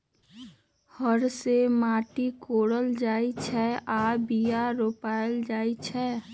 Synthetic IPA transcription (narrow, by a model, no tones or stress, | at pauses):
həɾsemaːʈikoːɽəld͡ʒaːit͡ʃʰɛʔaːbijaɾoːpaːɪld͡ʒaːit͡ʃʰɛː